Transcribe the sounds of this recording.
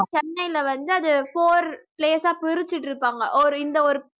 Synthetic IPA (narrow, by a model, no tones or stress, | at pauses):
t͡ʃɛnːɐɪlɐʋɐnd̪ɯɐðɯfoːɾpleːsaːpɪɾɯt͡ʃːɪʈːɪɾɯpːaːŋɡɐʔɔɾɯɪnd̪ɐɔɾɯ